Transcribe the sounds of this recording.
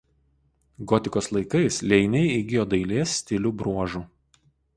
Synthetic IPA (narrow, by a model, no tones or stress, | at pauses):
ɡɔt̪ʲɪkoːslˠɐɪkɐɪslʲɛɪnʲɛɪɪɡʲɪjoːd̪ɐɪlʲeːsʲːt̪ʲɪlʲuːbɾuɔʒuːˑ